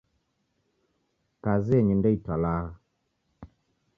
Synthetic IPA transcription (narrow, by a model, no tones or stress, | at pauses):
kaziɛɲindɔitalaː